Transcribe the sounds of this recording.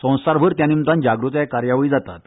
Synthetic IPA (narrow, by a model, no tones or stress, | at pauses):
sə̃w̃saɾbʱəɾt̪janimt̪ãnd͡ʑaɡɾut̪ekaɾjaʋiːd͡zat̪at̪